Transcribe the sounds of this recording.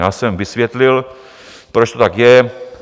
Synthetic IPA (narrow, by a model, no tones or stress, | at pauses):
jaːsɛmvɪsvjɛt̪lɪl | pɾot͡ʃt̪ot̪akjɛ